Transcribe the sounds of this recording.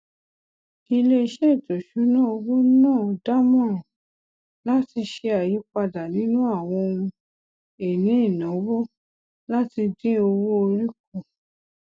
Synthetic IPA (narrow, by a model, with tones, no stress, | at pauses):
i˧le˦˧ʃe˦˨to˨ʃu˨˦nãː˦˨o˧wo˦n˦nãː˦˨ɔ˨da˦mɔ̃˦˨ɔ̃˨ | la˦ti˧ʃe˧a˨ji˨˦k͡pa˧da˨nĩ˨˦nũ˦a˦˨w̃ɔ̃˧o˧ũ˧ | e˨nĩ˨˦i˦˨nɔ̃˨˦wo˦ | la˦ti˧dĩ˦o˧wo˦o˧ɾi˦k̚o˦˨